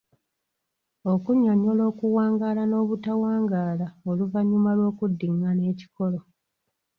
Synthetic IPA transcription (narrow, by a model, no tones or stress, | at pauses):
o̞kuɲaɲo̞lo̞ːkuwaːŋɡalano̞ːβutawaːŋɡaːlaoluvaɲːumalwo̞ːkudːiŋːane̞ːci̥ko̞lo̞